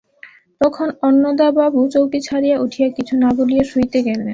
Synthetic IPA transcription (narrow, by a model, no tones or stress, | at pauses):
t̪ɔkʰonɔnːod̪ababut͡ɕowkit͡ɕʰaɾijaʔuʈʰijakit͡ɕʰunaɡolijaʃujt̪eɡɛle